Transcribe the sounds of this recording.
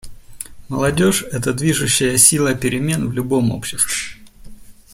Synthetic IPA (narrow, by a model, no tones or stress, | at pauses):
məlˠɐdʲo̞ʂɛt̪əd̪vʲiʐʊɕːɪjəsʲilˠəpʲɪɾʲɪmʲe̞nvlʲʊbo̞mo̰pɕɪs